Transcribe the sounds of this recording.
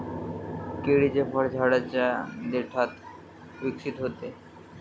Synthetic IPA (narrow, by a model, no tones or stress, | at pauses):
keɽid͡ʑefʰɔɾd͡ʑʱaɽat͡ɕad̪eʈʰat̪ | bikt͡ɕʰit̪oɦot̪e